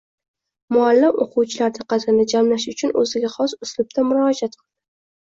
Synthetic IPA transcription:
mʊalːɪmo̰qʰʊwt͡ʃʰɪlaɾd̪ɪqʰɑzɾnad͡ʒamlaʃʊt͡ʃʰʊnɵ̰zɪɡʲaχɒsʊslʊb̚t̪ʰamʊɾɒd͡ʒat̪̚qʰɨlˠd̪ɪ

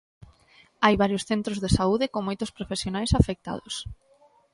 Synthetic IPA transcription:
ajβaɾjosθent̪ɾozðesauðɪkoŋmojt̪ʊspɾofesjonajsafek̚t̪a̰ðʊs

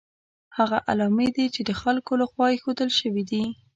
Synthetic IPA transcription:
haɣaʔa̰lɑmed̪it͡ʃed̪əxalkoləɣwɑjexod̪əlʃəwid̪i

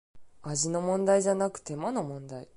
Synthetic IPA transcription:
aʑino̞mõ̞nd̪aiʑanakɯ̟̥t̪e̞mano̞mõ̞nd̪ai

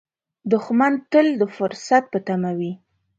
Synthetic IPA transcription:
d̪ʊxmant̪əld̪əfʊɾsat̪̚pət̪amawi

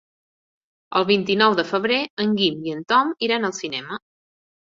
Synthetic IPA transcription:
əlˠβint̪inɔwðəfəβɾeəŋɡimiənt̪ɔmiɾanəlˠsinɛmə

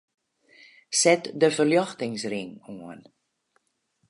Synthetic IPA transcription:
sɛtdəfərljɔxtɪŋsriŋuən

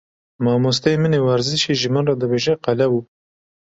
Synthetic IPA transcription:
mɑmus̬t̪ejminewaɾzɪʃeʒimanɾad̪əweʒeqalawu

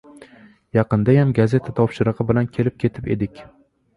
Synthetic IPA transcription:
jɑqɨnd̪ajamɡaze̞t̪ʰat̪ʰɒpʃɪɾɨqɨbɪlankʲʰe̞lɪp̚kʲʰe̞t̪ʰɪpe̞̰d̪ɪkʲ

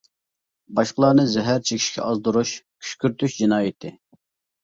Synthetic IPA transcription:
bɑʃqəlˠɑnɨzɛɦæɾt͡ʃʰekʲʰi̥ʃkʲʰɛ̰ɑzd̪uɾuʃkʲʰy̥ʃkʲyɾt̪yʃd͡ʒinɑːjit̪ʰɪ

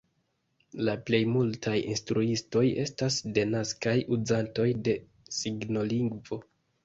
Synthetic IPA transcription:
laple̞jmultʰajḭnstɾuisto̞je̞stasde̞naskajuzanto̞jde̞ | siɡno̞liŋɡvo̞

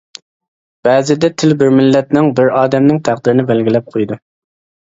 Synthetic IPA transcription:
b̥ɛːzɪd̪ɛt̪ʰɪlbɪɾmɪlːɛt̪nɪŋbɪɾɑːd̪ɛmnɪŋt̪ʰæχd̪ɪɾɪnɪbɛlɡʲɪlɛp̚qʰojd̪u

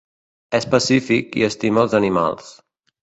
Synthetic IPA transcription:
ɛspəsifikḭəst̪iməlˠzənima̰lˠs

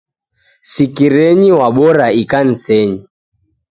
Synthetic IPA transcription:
sikiɾɛɲiwaɓɔɾaikan̩sɛɲi

